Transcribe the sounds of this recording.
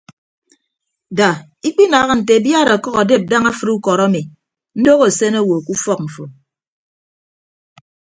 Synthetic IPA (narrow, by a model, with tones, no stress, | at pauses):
da˨ | i˦k͡pi˦na˨ɣa˦n̩˨te˨bja˦ɾa˨kɔ˦ɣa˨de˦˨p̚da˦ŋa˦fɨ˦ɾu˦kɔ˨ɾa˦mi˨ | n̩˦do˦ɣo˨se˦no˦˨wo˨ku˦fɔ˦k̚m̩˨fo˨